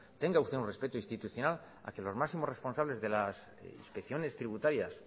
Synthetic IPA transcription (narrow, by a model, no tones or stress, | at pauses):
t̪e̞ŋɡaust̪eunre̞spe̞t̪oĩnst̪it̪uθjo̞nal | a̰ke̞lo̞zmaksimo̞re̞spo̞nsaβle̞zðe̞las | ḭnspekθjo̞ne̞st̪ɾiβut̪aɾjas